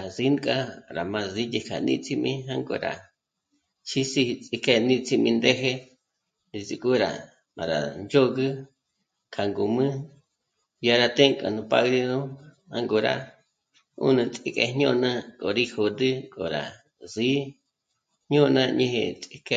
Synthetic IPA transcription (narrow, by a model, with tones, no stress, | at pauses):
a˨zi˦nkʼa˦ɾa˨mã˧zi˦ti˧kʰa̰˨nḭ̃˦˧t͡si˦mĩ˦ɦa˧ŋɡo̰˧˨ɾa̰˨ | t͡ʃʰi˦si˧t͡sʼi˧ke˧nĩ˦t͡sʰʼi˧mĩ˧nd̪e˦ɦe˦ | nĩ˧zi˧kʼu˦ɾa̰˨ | a˨ɾa̰˨nd͡ʒo˦ɣɨ˦ | kʰa˨ŋɡo˨mɨ̃˦ | ja˧ɾa˧t̪e˦ŋkʼa̰˨nũ˧pa̰˧ɣɾi˧nũ˦ | ha˧ŋɡo˧ɾa̰˧ | ṵ˦nɨ̃˧t͡sʼi˦kʼe˧ɲõ˦nã˦kʼo˨ɾi˦ho˨d̪ɨ˦kʼo˨ɾa̰˨ | zi˦ | hɲõ˦nã˦˧ɲĩ˧hḛ˧t͡sʼi˧ke˧